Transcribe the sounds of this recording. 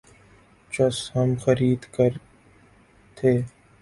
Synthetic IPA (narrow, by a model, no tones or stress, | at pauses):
t͡ʃɐshɐmxɐɾiːd̪kəɾ | t̪ʰeː